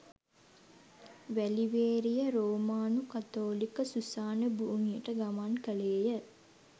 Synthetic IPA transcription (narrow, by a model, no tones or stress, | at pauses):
ʋæliʋeːɾijəɾoːmaːnukat̪oːlikəsusaːnəbuːŋijəʈəɡamankəleːjə